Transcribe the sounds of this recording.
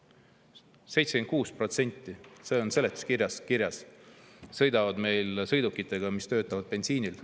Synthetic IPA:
se̞jt̪seket̪̚kuːspro̞t̪se̞nʲt̪ːˑise̞ːo̞nse̞let̪ːu̥skirjɑskirjɑs | sɤ̞jd̪ɑvɑd̪me̞jlsɤ̞jd̪ukːˑit̪ːˑe̞ɡ̥ɑmist̪ø̞ːt̪ːˑɑvɑd̪̥̚pe̞nsiːnil

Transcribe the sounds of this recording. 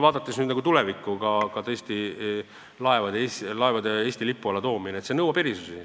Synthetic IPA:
vɑːd̪ɑt̪ːˑesnyːd̪nɑɡut̪ulɛvikːˑukɑkɑt̪ɤest̪i | lɑe̞vɑd̪eeslɑe̞vɑd̪e̞eːsʲt̪ilipːuɑlet̪o̞ːmineet̪se̞nɤwɑpeɾisusi

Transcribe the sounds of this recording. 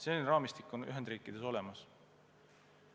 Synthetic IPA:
seonʲɾɑːmist̪ikːuny̰ɦe̞nd̪riːkːˑid̪̥e̞so̞le̞mɑs

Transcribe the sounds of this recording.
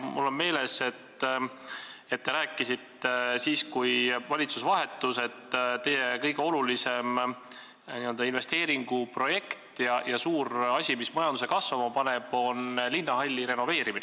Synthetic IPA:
mṵlːo̞nme̞ːle̞se̞t̪ː | et̪ːe̞ɾæːkːˑisit̪ːesiːskujvɑlʲit̪susvɑɦe̞t̪ːˑuse̞t̪ːt̪e̞je̞kɤ̞jɡ̥eo̞lulise̞m | niø̞ld̪ɑinve̞st̪e̞ːɾiŋɡ̥upro̞je̞kt̪jɑjɑsuːɾɑsʲimismɑjɑnd̪usekɑsvɑmɑpɑne̞b̥o̞nlinːɑɦɑlʲːiɾe̞nove̞ːɾimin̰

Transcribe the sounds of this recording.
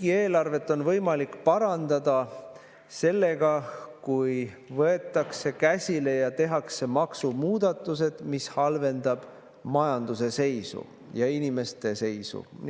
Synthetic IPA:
ɡie̞ːlɑrve̞t̪ːˑo̞nvɤjmɑlikːpɑɾɑnd̪̥ɑd̪̥ɑ | se̞lːe̞ɡ̥ɑkujvɤe̞t̪ːˑɑkse̞kæsʲile̞jɑt̪e̞ɦɑkse̞mɑksumuːd̪ɑt̪ːˑuse̞d̪̥mishɑlve̞nd̪ɑb̥ | mɑjɑnd̪use̞se̞jsṵ | jɑinime̞st̪e̞se̞jsṵ

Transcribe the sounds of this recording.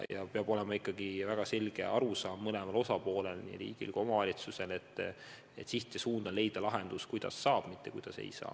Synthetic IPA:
jɑ̰peɑb̥o̞le̞mɑikːˑɑɡivæɡ̥ɑse̞lʲɡ̥e̞̰ɑɾusɑːmːɤlemɑlosɑpo̞ːle̞lnḭɾḭːɡ̥ḭlo̞mɑvɑlʲit̪suse̞le̞t̪ːˑ | et̪siht̪ːˑesuːnd̪̥ɑle̞jd̪̥ɑlɑɦe̞nd̪̥uskujd̪̥ɑ̰sːɑːb̥mit̪ːe̞kujd̪̥ɑsḛjsɑ̰ː

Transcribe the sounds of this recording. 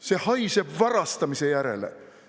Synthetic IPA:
se̞hɑjsebvɑɾɑst̪ɑmisejæɾe̞̰lḛ

